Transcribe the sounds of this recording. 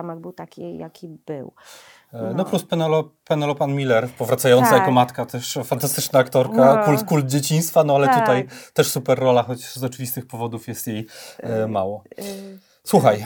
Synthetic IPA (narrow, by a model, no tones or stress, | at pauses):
amɛɡbɘwt̪akʲija̰kʲibɘw | nɔpluspɛnɛlɔpɛnɛlɔpanmʲilɛɾpɔvɾat̪sajɔnt̪sajakɔmat̪kat̪ɛʂfant̪ast̪ɘt͡ʂnaːkt̪ɔɾkakult̪kuld̪̚d͡ʑet͡ɕiɲ̃st̪fanɔalɛt̪ut̪ajt̪ɛʂsupɛrːɔlaxɔt͡ɕzɔt͡ʂɘvʲist̪ɘxpɔvɔd̪ufjɛst̪jejmawɔ | swuxaj